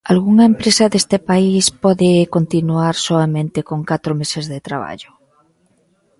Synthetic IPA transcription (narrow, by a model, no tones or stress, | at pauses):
alɣuŋɐempɾesaðest̪epaispɔðekont̪inuaɾsoamẽnt̪ekoŋkat̪ɾomesezðet̪ɾa̰βa̰ʎʊ